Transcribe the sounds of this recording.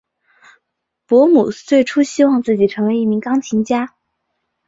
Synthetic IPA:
pwɔ˧˥mu˨˩t͡swe˥˩ɪʈ͡ʂʰu˥ɕi˥wɑ˥˧ŋt͡sɹ̩˥˩t͡ɕi˨˩ʈ͡ʂʰɤ˧˥ŋwe˧˥ɪi˥˩mi˧˥ŋkɑ˥ŋt͡ɕʰi˧˥ŋt͡ɕja˥

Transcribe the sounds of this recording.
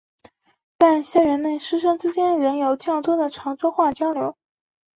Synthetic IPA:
t̪a˥˩nɕjɛ˥nɻə˧˥nne˥˩ɪʂɻ̩˥ʂɤ˥ŋʈ͡ʂɻ̩˥t͡ɕjɛ˥nɻə˧˥njo˨˩ʊt͡ɕjɑ˥˩ŋt̪wɔ˥d̪ə˨ʈ͡ʂʰɑ˧˥ŋt͡swɔ˥xwa˥˩t͡ɕjɑ˥ʊljo˧˥ʊ

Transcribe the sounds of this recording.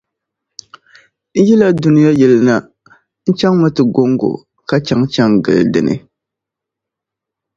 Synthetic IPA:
n̩˦jɛ˦la˦du˦nɪ˦ja˦jɛ˨lna˦ | n̩˦t͡ʃa˦ŋma˦tɨ˨ɡo˦ŋɡo̰˨ | ka˦t͡ʃa˦ŋt͡ʃa˦ŋɡɨ̰˨ldɨ̰˨nɨ̰˨

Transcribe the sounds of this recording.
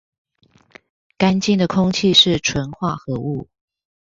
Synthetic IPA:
ka˥nt͡ɕi˥˩ŋd̪ə˩kʰʊ˥ŋt͡ɕʰi˥˧ʂɻ̩˥˩ʈ͡ʂʰwə˧˦˥nxwa˥˩xɤ˧˥˦u˥˩

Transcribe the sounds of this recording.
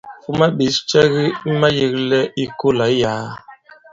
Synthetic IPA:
fu˦ma˦bi˨˦st͡ʃɛ˦ɣi˦ma˦ji˦klɛ˦i˦ko˦la˨˦jaː˨˦

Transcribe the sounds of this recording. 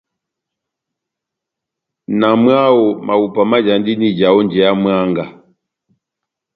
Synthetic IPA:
na˨mwa˦wɔ˨ma˨u˨pa˨ma˦d͡ʒa˨ndi˦ni˦d͡ʒa˨ɔ˦nd͡ʒɛ˨ja˦mwa˦ŋɡa˨

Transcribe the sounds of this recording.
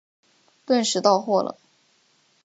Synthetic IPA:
t̪wə˥˩nʂɻ̩˧˥t̪ɑ˥˧ʊxwɔ˥˩lə̰˩

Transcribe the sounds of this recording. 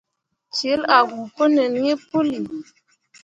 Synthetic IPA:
t͡ʃe˨˦la˨ɡu˨pə˦nə˨n˦ŋe˦po˦li˨

